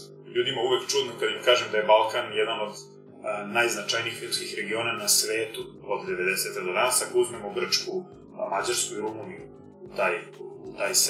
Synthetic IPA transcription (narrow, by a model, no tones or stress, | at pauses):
ʎuːd̪imauʋekt͡ʃud̪nokad̪imkaːʒemd̪aje̞balˠkanjed̪ano̞d̪ | najznat͡ʃajniːxʎʲup̪skixɾe̞ɡio̞ːnanasʋeːt̪uod̪d̪e̞ʋe̞d̪eset̪ad̪od̪anasakouzme̞moɡr̩t͡ʃku | mad͡ʑaɾskuiɾumuniju | t̪aːjt̪aːjs